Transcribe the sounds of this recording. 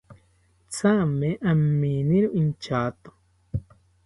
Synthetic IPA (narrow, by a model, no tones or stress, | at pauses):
t͡samẽʔamːiniɾuʔint͡ʃat̪o̥